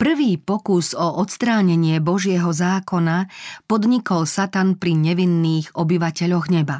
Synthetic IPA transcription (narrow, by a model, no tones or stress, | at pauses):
pr̩ʋiːpɔkuzɔʔɔt̪st̪ɾaːɲɛɲɪɛbɔʒɪɛɦɔzaːkɔnapɔd̪ɲikɔlsat̪anpɾiɲɛʋinːiːɣɔbiʋacɛʎɔɣɲɛba